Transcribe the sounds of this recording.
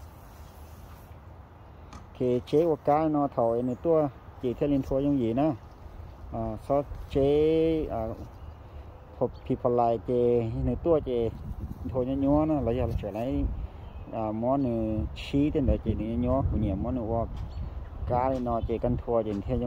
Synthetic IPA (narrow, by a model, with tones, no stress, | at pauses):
kʰe˨t͡ɕe˧˦ʔu˧˨kaː˧˦li˧˦nɔ˧t̪ʰa˨˩we˧˨nɯ˧˨t̪u˧ə˨t͡ɕe˨t̪ʰi˧˨li˧nt̪ʰu˧ə˧ɲɔ˧ŋjiː˨na˧˨ | ʔa˧˩sɔ˧˦t͡ɕe˧˦a˨˧ | pʰɔ˧pʰi˧pʰɔ˧˨la˧˨jt͡ɕe˧nɯ˧t̪u˧ə˨t͡ɕe˧nt̪ʰu˧˨ɲɔ˧˦ɲu˧˨na˧˨la˧ja˧˨la˧˦sʰla˧˦j | a˨mɔ˧˦nɯ˧sʰiː˧˦t̪e˧˨ndɔ˨ke˨nɯ˧˨ɲa˧˦ɲu˧ə˦˨ku˧˨ɲi˧˨mːɔ˧˦nɯ˧˨ʔɔ˧ | kaː˧˦li˧nɔː˧t͡ɕe˨ka˧˨nt̪ʰu˧ə˧e˧˨n˨˧t̪ʰi˧˨ɲ˧